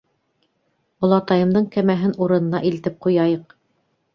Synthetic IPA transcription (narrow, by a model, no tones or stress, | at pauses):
ulˠɑt̪ɑjɤ̆md̪ɤɴkæmæɦɘnuɾɤ̆nɤ̆nɑʔilt̪ɘp̚qujɑjɤq